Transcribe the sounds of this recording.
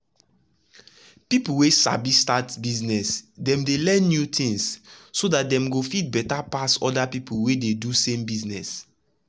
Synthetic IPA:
pipuwesa̰bistatbiznɛsdɛ̃mdelɛ̃nːjutĩŋssodat̚dɛ̃mɡofit̚bɛtapasɔ̰dapipuwededusẽmbiznɛs

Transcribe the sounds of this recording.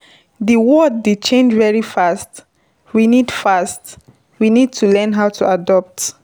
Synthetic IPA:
ðiwɔd̚ːit͡ʃʰẽnd͡ʒvɛɹifast | winidfast | winid̚tʰulɛ̃nɦaʊtʰuadɔp̚t

